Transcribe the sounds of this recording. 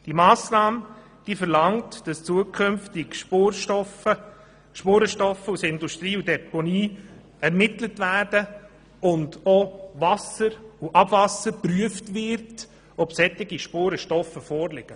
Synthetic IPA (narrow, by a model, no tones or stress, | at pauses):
d̥imɑːsnɑːmə | d̥iːfəɾlɑŋtd̥ɑst͡suəkʰømftɪɡʃoɔə | ʃpoːɾəʃtɔfːəusɪnduʃtɾiːudɛpɔniː | ɛɾmɪtlətvæːɾd̥ə | ʊndovɑsəɾuʔɑbvɑsəɾpɾyəftvɪɾt | ɔbsɛtːɪɡiʃpoːɾəʃtɔfəfɔːɾlɪɡ̥ə